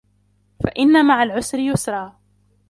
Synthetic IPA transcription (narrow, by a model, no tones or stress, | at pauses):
faʔɪnːamaʕalʕʊsɾɪjʊsɾˤɑː